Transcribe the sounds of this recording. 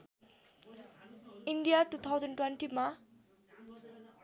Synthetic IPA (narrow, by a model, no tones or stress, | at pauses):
iɳɖijaʈut̪ʰawd͡zʌnʈwenʈima